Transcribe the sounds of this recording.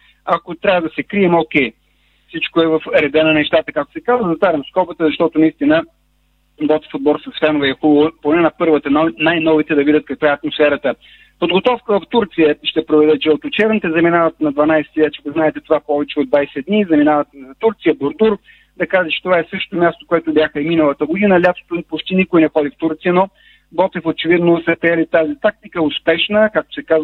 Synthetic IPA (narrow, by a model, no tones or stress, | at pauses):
akot̪ɾʲavəd̪ɐsɛkɾiɛmokʲɛj | fsit͡ʃkoɛvɐfɾɛd̪ɛnɐnɛʃt̪at̪əkak̚t̪ʊ̥sɛkazvəzɐt̪aɾʲɐmskɔpət̪əzɐʃt̪ɔt̪ʊnɐist̪inə | bɔt̪fud̪̚bɔɾˠsɐsfɛnoʊvɛɛxubəvoponɛnɐpɤɾvət̪ənnajnɔvit̪ɛd̪ɐvid̪ʲət̪̚kɐkvaɛɐt̪mosfɛɾət̪ə | pod̪ɡot̪ɔfkəvɐft̪uɾt̪sijəʃt̪ɛpɾovɛd̪ɛt͡ʃɛot̪ʊt͡ʃɛvnit̪ɛzɐminavət̪nɐd̪vɐnajsɛ̥t̪ivɛt͡ʃɛkʊznaɛt̪ɛt̪ovapɔvɛt͡ʃɛod̪vajsɛd̪nizɐminavɐt̪zɐt̪uɾt̪sijəboɾd̪uɾ | d̪ɐkaʒət͡ʃɛ̥t̪ovaɛsɤʃt̪t̪omʲjast̪o̥koɛt̪ʊbʲjaxəiminəlˠət̪əɡod̪inəlʲat̪o̥t̪onpot͡ʃt̪inikʊjnɛxɔd̪ift̪uɾt̪sijənɔ | bɔt̪ɛfot͡ʃɛvid̪nosɛpɾɛɛlit̪azit̪ak̚t̪ikəʊspɛʃnəkak̚t̪o̥sɛkaz